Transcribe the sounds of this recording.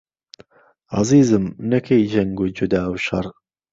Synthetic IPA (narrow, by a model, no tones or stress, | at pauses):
ɑ̰ziːzɨmnɐkʰejd͡ʒɐŋɡud͡ʒʊd̪aːwʃɐrˤ